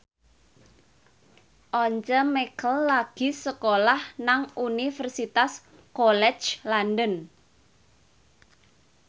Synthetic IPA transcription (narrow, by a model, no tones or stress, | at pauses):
ʔɔɲt͡ʃəmɛkəlːaɡ̥i̤səkolahnaŋunifərsit̪as | kɔlɛ̥t͡ʃlandən